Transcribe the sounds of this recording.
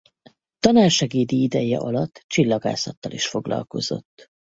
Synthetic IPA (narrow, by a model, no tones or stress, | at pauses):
t̪ɒnaːrʃɛɡeːd̪iid̪ɛjɛʔɒlɒt̪ːt͡ʃilːɒɡa̰ːsɒt̪ːɒliʃfo̞ɡlɒ̰lko̞z̥o̞t̪ː